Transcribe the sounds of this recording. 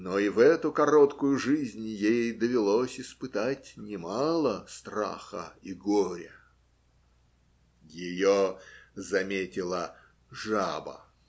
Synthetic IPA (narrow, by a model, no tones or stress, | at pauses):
noivɛt̪ʊkɐɾot̪kʊjʊʐɨzʲnʲjejd̪əvʲɪlˠosʲɪspɨt̪atʲnʲɪmɑlˠəst̪ra̰xə̰iɡoɾʲɪ̰ | jɪjozɐmʲetʲɪlˠə | ʐa̰bə̰